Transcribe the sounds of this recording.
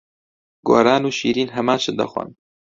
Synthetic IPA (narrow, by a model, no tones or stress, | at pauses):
ɡoːɾaːnuːʃiːɾiːnɦɐmaːnt͡ʃʰɨd̪ɐ̰xʷa̰n